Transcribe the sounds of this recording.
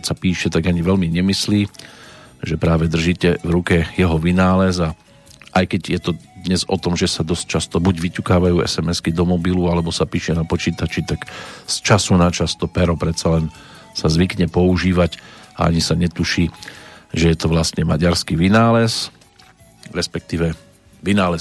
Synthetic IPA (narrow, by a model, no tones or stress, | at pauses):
csapiːʃɛt̪aɡaɲiʋɛlmiɲɛmisliː | ʒɛpɾaːʋɛd̪r̩ʒiːcɛvɾukɛjɛɦɔʋinaːlɛza | ʔajkɛɟjɛt̪ɔd̪ɲɛzɔ̰t̪ɔmʒɛsad̪ɔsc̚t͡ʃast̪ɔbuɟʋicukaːʋajuːɛ̰sɛmɛskid̪ɔmɔbilualɛbɔsapiːʃɛnapɔt͡ʃiːt̪at͡ʃit̪akst͡ʃasunat͡ʃast̪ɔpɛɾɔpɾɛt̪salɛn | sazʋikɲɛpɔuʒiːʋaca̰a̰ɲisaɲɛt̪uʃiːʒɛjɛt̪ɔʋlast̪ɲɛma̰ɟaɾskiʋinaːlɛs | ɾɛspɛk̚t̪iːʋɛ | ʋinaːlɛ